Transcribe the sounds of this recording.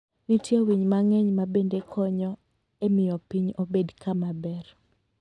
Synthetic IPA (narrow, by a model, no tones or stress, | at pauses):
nitjewiɲmaŋɛɲmabendekʰɔɲɔ | emɪjɔpiɲobedkʰamabɛr